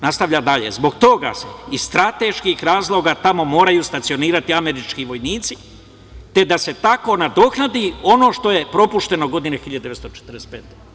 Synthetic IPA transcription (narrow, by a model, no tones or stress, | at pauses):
nast̪aʋʎad̪aʎḛzbo̞ɡt̪o̞ɡa̰seisst̪ɾat̪e̞ʃkixɾaːzlˠo̞ɡat̪amo̞mo̞ːɾajuːst̪at̪sio̞niːɾat̪iame̞ɾit͡ʃkiʋo̞jniːt̪si | t̪e̞d̪ase̞t̪ako̞nad̪o̞xnad̪io̞no̞ːʃt̪o̞je̞pɾo̞puʃt̪e̞no̞ɡo̞d̪inexiʎad̪d̪eest̪ot͡ʃe̥t̪ɾdest̪peːt̪e